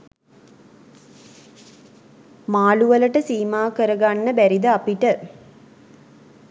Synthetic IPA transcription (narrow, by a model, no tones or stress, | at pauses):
maːluʋələʈəsiːmaːkəɾəɡanːəbæɾid̪əapiʈə